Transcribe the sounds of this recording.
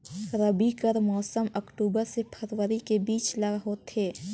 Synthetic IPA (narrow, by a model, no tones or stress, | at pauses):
ɾəbikəɾmɔːsəmɐkʈuːbəɾsepʰəɾwəɾikebiːt͡ʃlɐɡɦoːt̪ɦeː